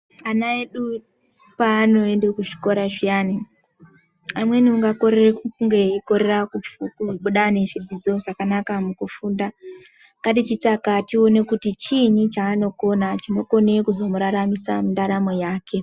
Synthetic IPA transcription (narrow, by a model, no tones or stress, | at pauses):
anaeɗu | paːno̞endekuʐi̥ko̞ɾaʐijani | amwe̞niuŋɡako̞ɾerekuuŋɡe̞iko̞ɾe̞rakuukuɓuɗane̞fid͡zid͡zo̞ʐakanakamukufuːnda | ŋkɡatit͡ʃit͡ʂakatio̞ne̞kutit͡ʃiɲit͡ʃaːno̞ko̞nat͡ʃino̞ko̞ne̞kuzo̞muɾaɾamisa̰mundaɾamo̞jaːkʰe̞